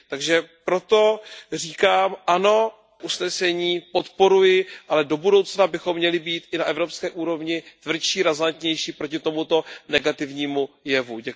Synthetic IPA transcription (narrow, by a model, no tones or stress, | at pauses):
t̪aɡʒɛpɾo̞t̪o̞r̝iːkaːmʔano̞ | ʔusnɛsɛɲiːpo̞t̪po̞ɾujɪʔalɛdo̞budo̞wt͡snabɪxo̞mːɲɛlɪbiːt̪ʔɪnaʔɛvɾo̞pskɛːʔuːɾo̞vɲɪt̪vr̩t͡ʃiːɾazant̪ɲɛjʃiːpɾo̞cɪt̪o̞mut̪o̞nɛɡat̪ɪvɲiːmujɛvuɟɛ